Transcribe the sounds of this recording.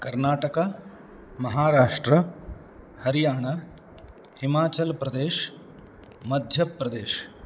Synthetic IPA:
kɐɾnaːʈɐka | mɐɦaːɾaːʂʈɾɐ | hɐɾijaːɳ̃ɐ | himaːt͡ʃɐlpɾɐd̪eːʃ | mɐd̪ʱjɐpːɾɐd̪eːʃ

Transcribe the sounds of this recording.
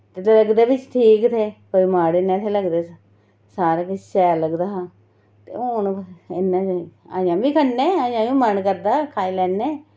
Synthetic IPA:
t̪et̪ləɡd̪eːbɪt͡ʃt̪ʰiːkt̪ʰeːkoːiːmaːɽɪnːãːt̪ʰeləɡd̪eːs | saːɾaːkɪsʃɛːaləɡd̪aːaː | t̪ḛːoːnɪnːãːea̰ːjãːbiːkʰənːeːaːjãːjũːmənkəɾd̪aːkʰaːilɛːnːeː

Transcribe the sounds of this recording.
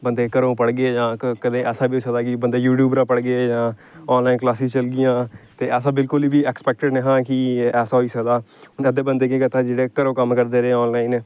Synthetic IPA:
bənd̪eːkəɾõːpəɽɡeed͡ʒãːkəd̪ẽːɛːsãːbiːoisəkd̪aːkɪbənd̪eːjuːʈjuːbɾaːpəɽɡed͡ʒãː | ɔːnlaːinklaːsĩːt͡ʃəlɡɪjãːt̪eːɛːsãːbɪlkʊliːbiːɛːkspɛːk̚ʈəɖneɦãːkɪɛːsaːɦoiːsəkd̪aː | ɛd̪eːbənd̪eːkẽːkət̪ãːd͡ʒeːɽeːkəɾõːkəmkəɾd̪eːɾeɔːnlaːineː

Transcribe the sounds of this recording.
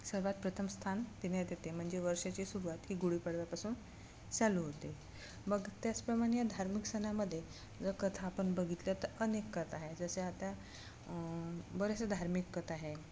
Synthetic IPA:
səɾʋat̪̚pɾət̪ʰəmst̪ʰant̪ined̪jet̪em̤əɳd͡zeʋəɾʂat͡ɕisuɾuʋat̪ɦiːɡuɽiːpəɽʋjapasuːn | t͡saluɦot̪e | bəɡt̪jat͡spɾəmaɽ̃ejad̪ʱaɾmiksənaməd̪ʱːje | d͡zəkət̪ʰaːpəɳbəɡʱit̪lət̪əɾənekːət̪ʰaɦed͡zəseat̪a | bəɾesəd̪ʱaɾmikːət̪ʰaɦe

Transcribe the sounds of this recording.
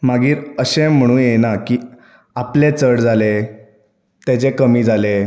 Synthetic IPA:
maɡiːɾəɕẽm̤əɽ̃uːnjenakiː | aplet͡səɽd͡zʱale | t̪at͡ɕekəmiːd͡zʱale

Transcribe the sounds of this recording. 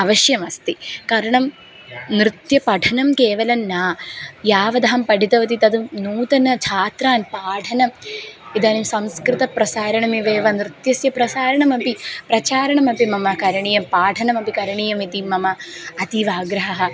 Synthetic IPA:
ɐʋɐʃjɐmɐst̪ikaːɾɐɳɐm | nɾɨt̪jɐpɐʈʰɐnɐmkeːʋɐlɐmnaːjaːʋɐd̪ɐɦɐmpɐɖit̪ɐʋɐt̪̬it̪ɐd̪unuːt̪ɐnɐt͡ʃʰaːt̪ɾaːnpaːʈʰɐnɐmid̪aːnimsɐmskɾɨt̪ɐpɾɐsaːɾɐɳɐmiʋeːʋɐnɾɨt̪jɐsjɐpɾɐsaːɾɐɳɐmɐpipɾɐt͡ʃaːɾɐɳɐmɐpimɐmɐkɐɾɐɳijɐmpaːʈʰɐnɐmɐpikɐɾɐɳijɐmit̪imɐmɐɐt̪iʋaːɡɾɐɦɐɦɐ̆

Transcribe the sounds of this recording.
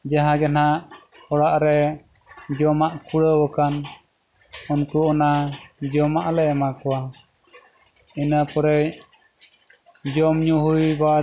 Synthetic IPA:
d͡ʒaɦãd͡ʒanaʔ | hɔɽaʔɾɛ | d͡ʒɔmaʔkuɽəwəkan | ɔnkuɔnad͡ʒɔmaʔlɛɛmakɔwa | inəpɔɾɛj | d͡ʒɔmɲuɦujba

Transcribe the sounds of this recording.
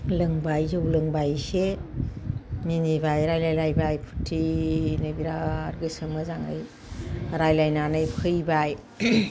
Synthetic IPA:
lɯŋbajzɯwlɯŋbajse | ninibajɾajlajlajbajpʰu̥tʰːinɯbiɾaɾɡɯsɯmɯzaŋa̰j | ɾajlajnanɯjpʰɯjbaj

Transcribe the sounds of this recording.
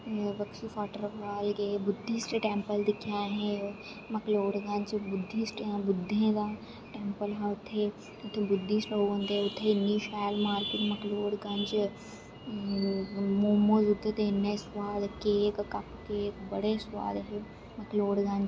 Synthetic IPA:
ʋɐkʃifaːʈəɾaːlkebʊd̪ʱːisʈʈeːmpəld̪ɪkʰjaɦɛ̃ | mɐkloːɽɡɐ̃ɲd͡ʒbʊd̪ʱːisʈãbʊd̪ʱːẽka | ʈeːmpəlɦãʊt̪ʰːe | ʊt̪ʰːẽbʊd̪ʱːisʈoə̃nd̪eeʊt̪ʰːeɪnːiʃɛːlmaːɾkɪt̪mɐkloːɽɡɐ̃nd͡ʒ | moːmod͡ʒʊt̪ʰːet̪enːeswaːd̪kekkɐpkekbɐɽeswa̰ːd̪ɦe | mɐkloːɽɡɐ̃ɲd͡ʒ

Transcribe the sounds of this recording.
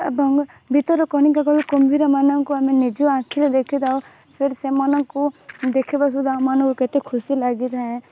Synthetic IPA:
bʱɔŋɡ | bʱit̪ɔɾɔkɔɽ̃ikaɡɔɭukɔmbʱiɾɔmanɔŋkuamenid͡ʒuãkʰiled̪ekʰid̪au | pʰeɾisemɔnɔŋkud̪ekʰibas̬ud̪ʱaũmanɔ̃ŋkuket̪ekʰusilaɡit̪ʰaẽ

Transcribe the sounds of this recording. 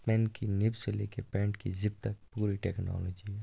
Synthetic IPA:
pɛ̃ːnkinɪbseleːkepɛ̃ːɳʈkid͡ʒɪbt̪ɐkpuːɾiʈɛːknɔ̰ːlɔːd͡ʒiɦɛ

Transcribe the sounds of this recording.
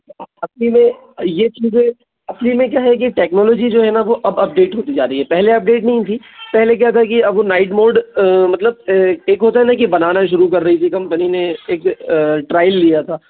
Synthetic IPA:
ɐɐslimẽ | jet͡ʃiːzẽ | ɐslimẽk̬jaːɦɛk̬iʈɛːknɔːloːd͡ʒid͡ʒoːɦɛnaʋoʔɐbɐp̚ɖeːʈɦoːt̪id͡ʒaːɾɐɦiɦɛpɛɦleɐp̚ɖeːʈnɐɦĩt̪ʰi | pɛɦlek̬ɛɦat̪ʰakiɐbonaːɪʈmoːɖmɐt̪ləb̚eːkɦoːt̪aɦɛnãkibɐnaːnaʃ̬ʊɾukɐɾːɐɦit̪ʰikɐ̃mpənineeːkʈɾaːɪlːijat̪ʰaː

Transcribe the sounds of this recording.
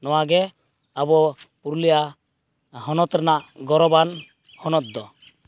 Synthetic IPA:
nɔwaɡɛ | abɔpuɾulija | hɔnɔt̪ɾɛnaʔɡɔɾɔban | hɔnɔt̪̚d̪ɔ

